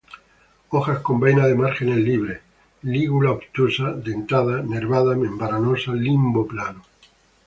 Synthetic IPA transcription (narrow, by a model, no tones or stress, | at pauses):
oxasko̞mbejnaðemaɾxene̞lliβ̞ɾe | liɣulaopt̪usad̪ent̪aðaneɾβaðamẽmbaɾanosalimboplano